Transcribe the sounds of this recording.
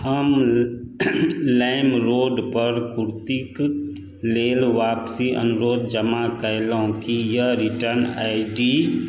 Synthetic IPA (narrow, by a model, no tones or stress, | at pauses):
həm | laːɪmɾoːɖpəɾkʊɾt̪ik | leːlʋaːpsiʔə̰nʊɾoːd̪d͡ʒəmakəjloõkijəɾɪʈəɾna̰ːɪɖiː